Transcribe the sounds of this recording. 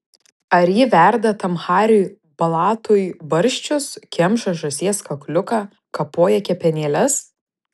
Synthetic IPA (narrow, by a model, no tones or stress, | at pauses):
ɐɾjɪʋʲæɾd̪ɐt̪ɐmxɑːɾʲʊː | bɐlˠɑːt̪ʊːjbɐɾʲʃʲt͡ʃʲʊskʲɛmʃɐʒɐsʲiɛskɐklʲʊkɑː | kɐpoːjɛkʲɛpʲɛnʲeːlʲɛs